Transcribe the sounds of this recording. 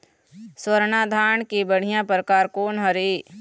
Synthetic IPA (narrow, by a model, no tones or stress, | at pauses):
swəɾɳad̪ʱaːɳkibəɽ̤ijãpɾkaːɾkoːnɦɐɾeː